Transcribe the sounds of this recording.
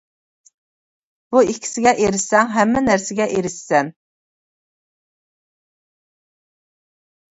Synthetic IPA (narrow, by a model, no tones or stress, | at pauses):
b̥uikʲʰi̥sɪɡʲɛʔeɾɪʃɛŋɦɛmːɪnæɾsɪɡʲɛʔeɾɪʃːɛn